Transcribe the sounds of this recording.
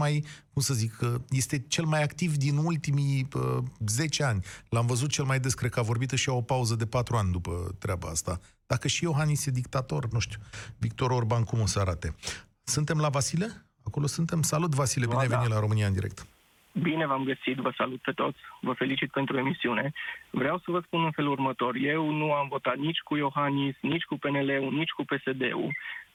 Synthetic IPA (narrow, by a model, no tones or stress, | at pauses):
majkumsəzikʰːəje̞st̪e̞t͡ʃe̞lmajakt̪ivd̪inult̪imiəze̞t͡ʃe̞anʲlamvəzut̪̚t͡ʃe̞lmajd̪e̞skɾekəavo̞rbit̪ɨʃiao̞pauzəd̪e̞pat̪ɾuanʲd̪upə̰t̪ɾʲeaba̰ast̪a | d̪̥akəʃijo̞ɦanised̪ik̚t̪at̪o̞rnuʃt̪ʲju̥vik̚t̪o̞ɾorbankumo̞səaɾat̪e̞ | sɨnt̪e̞mlavasile̞ | ako̞losɨnt̪e̞msalut̪̬vasileinevenilaɾo̞mɨniaɨnd̪iɾek̚t̪ | bine̞vamɡəsit̪vəsalut̪̚pe̞t̪o̞̰t̪sʲvəfe̞lit͡ʃit̪̚pe̞nt̪ɾue̞misiune̞vɾeawsəvəspunɨnfe̞lurmət̪o̞rje̞wnuamvo̞t̪at̪nit͡ʃʲkujo̞xanisnit͡ʃʲkupe̞nele̞unit͡ʃʲkupe̞se̞d̪e̞̰ṵ